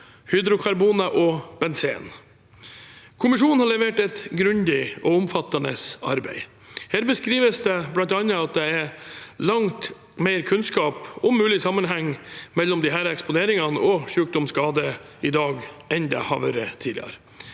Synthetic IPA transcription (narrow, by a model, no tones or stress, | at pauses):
hʏd̪ɾʊkʰɑɾbuːnɑʔɔb̥ɛnsḛːn | kʰʊmɪʂuːnn̩hɑɭɛʋeːʈɛt̪ɡɾʉnd̪ɪʔɔʊmfɑt̪ːɑnə̰sɑ̰ɾbæ̰ɪ | hæːɾbəskɾiːʋəsd̪ɛblɑnt̪ɑnːəɑt̪̚d̪ɛɛɾlɑŋt̪ | meɪɾkʰʉnskɑːpɔmːʉːlɪsɑmːənɦɛŋːmɛlːɔmd̪ɪɦæːɾɛkspʊneːɾɪŋɑnəɔʂʉːk̚d̪ɔmskɑːd̪ə | ɪd̪ɑːɡɛnd̪ɛ̰hɑ̰ʋø̰ːɾət̪ʰiːɪ̰ɑ̰ɾ